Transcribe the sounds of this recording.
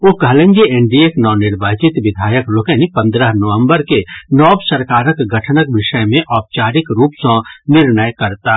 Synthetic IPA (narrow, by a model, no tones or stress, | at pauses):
okɦɐlə̃ŋd͡ʒiẽɳɖieknɔːnɪɾbaːt͡ʃɪt̪ʋɪd̪ʱaːjəkloːkenipɐ̃nd̪ɾəɦnəʋə̃mbəɾkenɔːbsəɾkaːɾəkɡɐʈʰnəkʋɪʃəjmẽʔɔːp̚t͡ʃaːɾɪkɾuːpsɔ̃nɪɾnəjkɐɾt̪aː